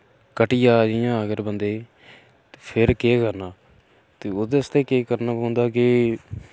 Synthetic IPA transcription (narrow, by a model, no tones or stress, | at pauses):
kəʈɪjaːd͡ʒɪjãːəɡəɾbənd̪eː | t̪eːpʰɪɾkeːkəɾnaː | t̪eːoːd̪eəst̪eːkeːkəɾnaːpõːnd̪aːkɪ